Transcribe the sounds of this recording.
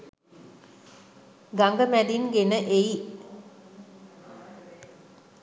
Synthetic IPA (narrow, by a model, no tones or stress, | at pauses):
ɡaŋɡəmæd̪inɡenəʔei